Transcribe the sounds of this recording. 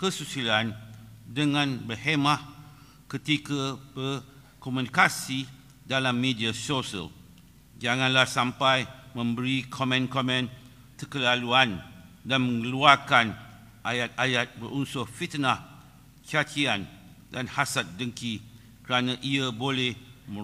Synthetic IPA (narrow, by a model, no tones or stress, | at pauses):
kəsusilandəŋãnbərhemãh | kət̪ikabər | komũnikasi | dalamːediasosə̰l | d͡ʒaŋãnlahsampajmə̃mbəɾikʰomɛ̃nkɔmɛ̃n | təkəlaluandanmə̃ŋəluarkan | ʔajat̪̚ajat̪̚bəɾunsʊhfit̪nah | t͡ʃat͡ʃian | danhasat̪̚dəŋki | kəɾanãʔiabolɛhmə̃